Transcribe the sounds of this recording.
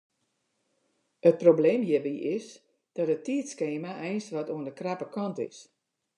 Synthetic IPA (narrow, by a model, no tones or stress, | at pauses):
ət̚probleːmjəbiʔɪs | d̥ɔtətiətskeːmaʔɛjnsʋɔtuəndəkrapəkɔntɪ̰s